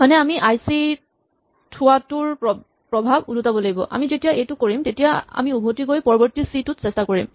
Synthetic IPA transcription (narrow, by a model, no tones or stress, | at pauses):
manɛamiʔajsi | tʰʊwatʊɹpɔ | pɹɔbʱabulutabɔlaɡibɔ̰ʔa̰mizetijaʔejtʊkoɹimtetijaa̰miubʱotiɡojpɔɹɔbɔɹtisitʊtsɛstakoɹḭm